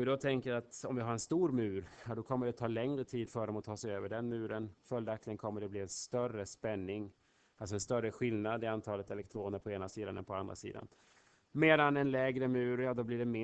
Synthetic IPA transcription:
vɪd̪ɔt̪ʰɛŋkəat̪ɔmvɪɦaɾɛnst̪uːɾmʉ̟ːɾjɑd̪ɔkʰɔmːəɖɛt̪ʰɑːlɛŋɾət̪ʰiːd̪fœɖɔmɔt̪ʰɑːsɛɪøːvəɖɛnmʉ̟ːɾənfœljd̪akt̪ɪənkʰɔmːəɖɛbliːɛnst̪œrəspɛnːɪŋ | als̬ɔɛnst̪œrəɧɪlnad̪ɪant̪ʰɑːlət̪ɛlɛkt̪ʰɾoːnəɾpʰɔeːnasiːd̪anɛ̰npʰɔand̪ɾa̰sḭːd̪a̰n | meːd̪anɛnlɛːɡɾəmʉ̟ːɾjɑːd̪ɔbliːɖɛmɪ

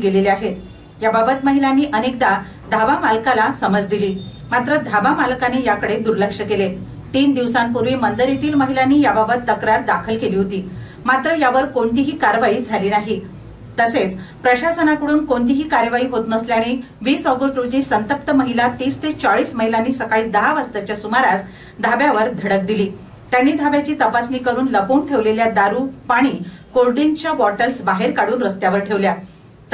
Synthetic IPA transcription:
ɡeleliaɦet̪ | jababət̪məɦilanːiːʔənek̚d̪a | d̪ʱabamalkalasəməd͡zd̪iliː | mat̪ɾəd̪ʱabamalkanejakəɽed̪uɾləkʂəkele | t̪iːnd̪iʋsampuɾʋiːmənd̪əɾit̪iːlməɦilanːiːjababət̪ːəkɾaɾd̪akʰəlkeliːɦot̪iː | mat̪ɾəjaʋəɾkoɳt̪iɦiːkaɾʋaiːd͡zʱaliːnaɦi | t̪əset͡spɾəɕasənakəɽuːnkoɳt̪iɦiːkaɾjəʋaiːɦot̪nəsljaɽ̃e | ʋiːsɔɡəʂʈɾod͡ʑniːsənt̪ək̚t̪əməɦilat̪iːst̪ʰet͡saɭiːsməɦilanːiːsəkaɭiːd̪əɦaʋəst̪at͡ɕjasumaɾat͡s | d̪ʱabjaʋəɾd̪ʱəɽək̚d̪iliː | t̪janːiːd̪ʱabjat͡ɕiːt̪əpasniːkəɾuːnləpoːnʈʰeʋleljad̪aɾuːpaɽ̃iːkoɾɖiŋt͡ɕaʋɔʈəlsbaɦeɾkaɽuːnɾəst̪jaʋəɾʈʰeʋlja

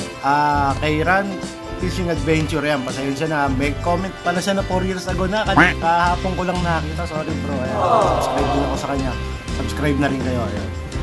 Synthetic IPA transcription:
ʔaːkɛjɾan | p̪isɪŋɐd̪vɛnt͡ʃʊɾjanpɐsɛjonʃanɐmɛkkːoːmɛnt̪̚pɐlaʃanɐfoɾjiɹsɐɡonakɐnɛkahaːpoŋkolɐŋnaːkiːt̪asoːɾɪbɾojasɐbskɾajd̪ɪnɐko̞sɐkɐɲːa | sɐbskɾajb̚nɐɾɪnkɐjo̞ʔɐ̰jo̰n

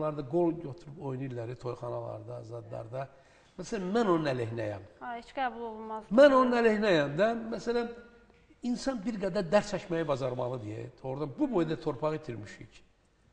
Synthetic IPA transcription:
lˠɑɾd̪ɑɡo̞lˠɟøt̪ʰuɾupo̞jniɾlæɾit̪ʰo̞jχɑnɑ̰lˠɑ̰ɾd̪ɑzɑd̪lˠɑ̰ɾd̪ɑ | mæsælænmæno̞nunæleɦinæjæ̰mhet͡ʃɡ̥æːbulˠolˠumɑzmæno̞nunælehnæjæmd̪æmæsælæn | insɑnbiɾɡæd̪æɾd̪æɾsæʃmæjibɑzɑɾmɑlˠɯd̪ijæ̰̥oɾd̪ɑbubojd̪æt̪ʰo̞ɾpʰɑʁit̪ʰiɾmiʃḭc

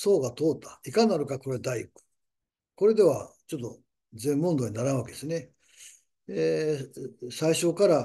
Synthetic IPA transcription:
so̞ːɡat̪oːt̪ːḁikanaɾɯ̟kako̞ɾed̪aikɯ̥ | ko̞ɾe̞d̪e̞β̞at͡ɕo̞t̪ːo | zẽ̞mːõ̞nd̪oːɲ̟inaɾañβaked̪esne | e | saiɕo̞kaɾa

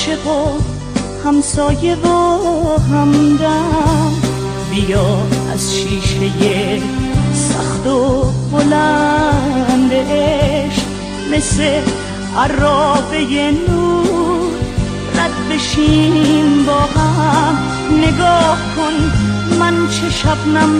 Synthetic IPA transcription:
ʃevo | hæmsɔːje̞voɦamd̪am | bijɒːæ̰z̥ʃiːʃe̞je | saxt̪obolæ | nd̪eʔeʃ | mese | aɾɔːbejenuːɾ | ɾad̪be̞ʃiːmbɔːhamː | eɡɔːhkʰonmænt͡ʃʰeʃabnam

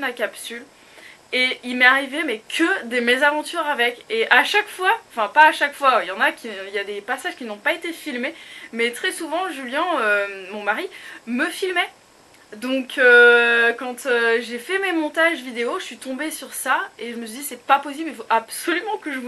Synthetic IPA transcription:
nakapsyl | eilmɛaʁivemɛkʰəd̪əmezavɑ̃t̪yʁavɛkeʔaʃakfwaɑ̃fɛ̃paːʃakfwajɑ̃nakʲiiljad̪epasaʒ̥kʲinɔ̃paet̪efilmemɛt̪χɛsuvɑ̃ʒyljɛ̃ømɔ̃maʁiməfilmɛ | d̪ɔ̃kʰøkɑ̃t̪øʒefɛmemɔ̃t̪aʒvid̪eoʒəsɥit̪ɔ̃besyʁsaeʒəməsɥid̪isɛpapɔs̬iblilfoʔabsɔlymɑ̃kəʒəm

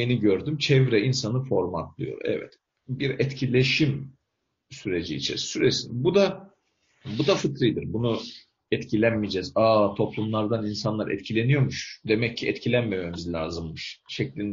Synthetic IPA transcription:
eniɟøɾd̪ymt͡ʃʰɛvɾɛinsanɯfo̞ɾmat̪lˠɯ̰jo̞̰ɾɛ̰vɛ̰t̪ | biɾɛt̪cʰilʲe̞ʃim | syɾe̞d͡ʒiːt͡ʃʰḭssyɾesinbud̪a | bud̪afɯt̪ɾɯjd̪ɯɾbunu | ɛt̪cʰilʲænmid͡ʒɛzaːt̪ʰo̞plˠumlˠaɾd̪aninsanlˠaɾɛ̰t̪cʰilʲe̞nijo̞ɾmuʃd̪emɛcʰːiʔɛt̪cʰilʲænmememizlʲa̰ːzɯmːɯʃʃɛclʲin

